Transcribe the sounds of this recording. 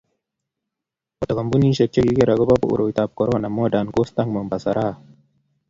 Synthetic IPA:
ɔ˨t̪a˨ka˨mbu˦ni˦ʃe˨t͡ʃːe˦ɡi˦ke˦ɾa˨ɡo˦ba˦po̰˨ṵ˨ɾo˨i˨t̪a˨b̚kɔ˨ɾo˦na˨mɔ˦da˨nko˦st̪a˦ŋmə˨mba˨sa˨ɾʔa˦˨

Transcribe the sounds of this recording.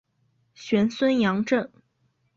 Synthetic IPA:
ɕɥɛ˧˥nswə˥njɑ˧˥ŋʈ͡ʂɤ˥˩ŋ

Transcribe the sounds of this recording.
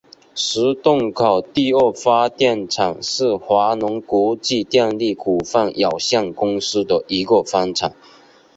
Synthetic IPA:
ʂɻ̩˧˥t̪ʊ˥˩ŋkʰɑ˨˩ʊt̪i˥˧ə˥˩fa˥t̪jɛ˥˩nʈ͡ʂʰɑ˨˩ŋʂɻ̩˥˩xwa˧˥nʊ˧˥ŋkɔ˧˥t͡ɕi˥˧t̪jɛ˥˧nli˥˩kʰu˨˩fa˥˩njɑ˨˩ʊɕjɑ˥˩ŋkʊ˥ŋsɹ̩˥d̪ə˨ʔi˧˥ɡə˨˩fa˥nʈ͡ʂʰɑ˨˩ŋ

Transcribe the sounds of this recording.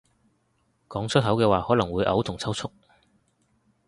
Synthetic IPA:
kɔː˨˥ŋt͡sʰɵ˥t̚ɦɐ˨˥wkɛː˧waː˨hɔː˨˥lɐ˨˩ŋwuː˨˧jʔɐ̰˨˥wt̪ʰʊ˨˩ŋt͡sʰwt͡sʰʊ˥k̚

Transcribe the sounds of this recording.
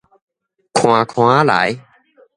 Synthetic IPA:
kʰw̃aː˧kʰw̃ãː˦˥˦la̰ː˨˩˦j

